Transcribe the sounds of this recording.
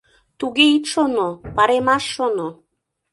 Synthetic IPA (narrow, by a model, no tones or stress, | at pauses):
t̪uɣeit̪ʃonopɑɾemɑʃːono